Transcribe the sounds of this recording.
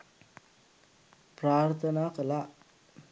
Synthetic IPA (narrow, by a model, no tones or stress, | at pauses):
pɾaːɾt̪ʰənakəla